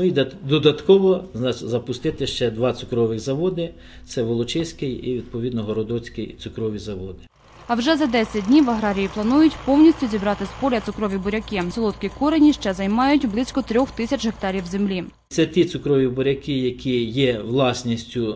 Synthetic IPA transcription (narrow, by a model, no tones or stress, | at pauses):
nʊid̪d̪ɔd̪ɐt̪kɔʋɔznɑt͡ʃzɐpʊst̪ɪt̪ɪʃt͡ʃɛd̪ʋɑt̪sʊkɾɔʋɪxzɐʋɔd̪ɪ | t̪sɛʋɔlˠɔt͡ʃɪsʲkɪjiʋʲid̪̚pɔʋʲid̪nɔɦɔɾɔd̪ɔt͡sʲkɪjt̪sʊkɾɔʋʲizɐʋɔd̪ɪ | ɐwʒɛzɐd̪ɛsʲɐt̚ʲdʲnʲiʋɐɦɾɑɾʲijiplˠɐnujʊtʲpɔwnʲisʲtʲʊzʲibɾɑt̪ɪspɔlʲɐt̪sʊkɾɔʋʲibɔɾʲɐkɪsɔlˠɔt̪kʲikɔɾenʲiʃt͡ʃɛzɐjmɑjʊtʲblˠɪsʲkɔt̪ɾʲɔxt̪ɪsʲɐt͡ʃɦek̚t̪ɑɾʲiwzemlʲi | t̪sɛt̪ʲit̪sʊkɾɔʋʲibɔɾʲɐkɪjɐkʲʰijɛʋlˠɑsʲnʲisʲtʲʊ